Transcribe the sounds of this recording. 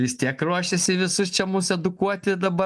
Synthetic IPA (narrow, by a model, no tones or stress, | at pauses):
ʋʲɪst̪ʲiɛkɾuɔʃʲɛsʲɪʋʲɪsʊst͡ʃʲɛmʊsɛd̪ʊkuɔt̪ʲɪd̪ɐbɐ